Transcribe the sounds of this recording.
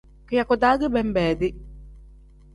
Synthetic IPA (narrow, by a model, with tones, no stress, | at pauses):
kɯ˨ja˨kɔ˨d̪aː˦ɡɯ˦bɛ˦m˦bɛː˨d̪i˦